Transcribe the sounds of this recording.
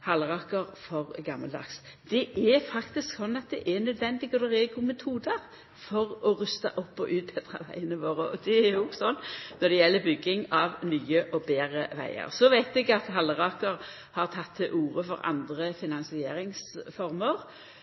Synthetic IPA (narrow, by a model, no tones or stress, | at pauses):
hɑlːəʁɑːkəɾfɔʁɡɑmːəld̪ɑ̰ks | d̪̥ɛʔɛfɑkt̪ɪsksɔnːɑt̪̚d̪ɛʔɛnːœd̪ʋɛnd̪ɪɡɔd̪ɛɾɛːɡʊmɛt̪ʰuːd̪əʁ | fɔʁɔɾʉst̪ɑ̰ʔɔpːɔʔʉːt̪̚bʰɛd̪ʁɑ̰ʋæ̰ɪənəʋoːɾəʔɔd̪ɛæɾjʊɡsɔnːnɔd̪ɛjɛlːəbʏɡːɪŋɑʋnyːəʔɔbeːɾəʋæ̰ɪə̰ʁsɔʋæɪt̪ɛɡɑt̪ɦɑlːəʁɑːkəɾ | hɑʁt̪ʰɑt̪ʰːɪlʔuːɾəfɔɾɑ̰nd̪ʁəfɪnɑnsɪeːɾɪŋsfɔɾməʁ